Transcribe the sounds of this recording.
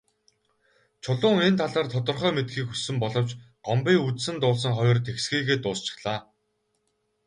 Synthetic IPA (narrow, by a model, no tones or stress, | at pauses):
t͡ɕʰʊɮʊːŋiːnt̪ʰaɮaːrt̪ʰɔt̪ɞ̆rχœːmet̪ɡiːkxusɘ̆mpɔɮɞ̆w̥t͡ɕɢ̥ɔmpiːŋut͡ssɘ̆nt̪ʊːɮs̬ə̆ŋχɔjɞ̆rt̪ʰeksɡiːɣeːt̪ʊːst͡ɕɪ̥̆χɮ̥aː